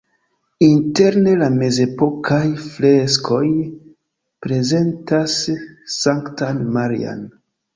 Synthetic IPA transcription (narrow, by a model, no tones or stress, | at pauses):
inte̞ɾne̞lame̞ze̞po̞kʰajfle̞skʰo̞j | pɾe̞ze̞ntasː | aŋktanmaɾḭa̰n